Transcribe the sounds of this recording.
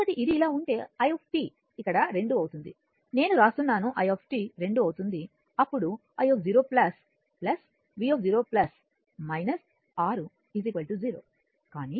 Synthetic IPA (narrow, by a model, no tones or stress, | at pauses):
kɐʈiʔid̪iːlaːuɳʈe̞ːɐjoːp̚ʰʈiː | ikːɐɽɐɾe̞ɳɖuɐwut̪und̪i | ne̞ːnuɾaːst̪unːaːnuʔɐjoːpʰʈiːɾe̞ɳɖuɐwut̪und̪i | ɐpːuɽu | ɐjoːp̚d͡ʒiːɾo̞ːplɐs | plɐs | ʋiːop̚d͡ʒiːɾo̞ːplɐs | mɐjnɐs | aːɾu | izikʋɐlʈud͡ʒiːɾoː | kaːniː